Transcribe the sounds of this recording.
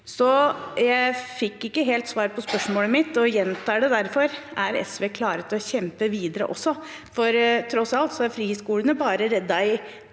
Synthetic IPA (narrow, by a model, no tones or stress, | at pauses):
sɔjæɪfɪkːɪkːəɦeːlt̪sʋɑːɾpʰɔspœʂmoːləmɪt̪ːɔjɛnt̪ʰɑːɖɛd̪æɾfɔɾæɾɛ̰sʋeːkʰlɑːɾət̪ɔçɛmpəʋiːd̪əɾə̰ʔɔ̰sːɔ | fɔɾt̪ʰɾɔsɑlt̪sɔæɾfɾiːhɪskuːlənəbɑːɾəɾɛd̪ːɑɪ